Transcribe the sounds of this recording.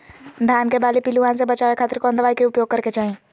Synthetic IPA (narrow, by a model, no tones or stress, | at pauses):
d̪ʱjaːnkebaːlipiluʋaːnsebət͡ʃaːʋekʰaːt̪ɾkoə̃nd̪əʋaːikeʊpjoːɡ̚kɐɾket͡ʃaːɦẽː